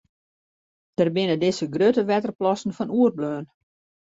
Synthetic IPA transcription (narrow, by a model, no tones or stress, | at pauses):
d̥ərbɪnədɪsəɡrøtəʋɛtərplɔsən̩fɔnuərbløːn